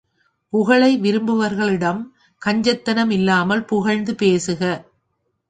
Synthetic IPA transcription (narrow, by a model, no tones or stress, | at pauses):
pʊɣɐɭɐɪʋɪɾɯmbɯʋɐɾɣɐɭɪɽɐm | kɐɲd͡ʒɐt̪ːɐnɐmɪlːaːmɐlpʊɣɐɻnd̪ɯpeːsɯɣɐ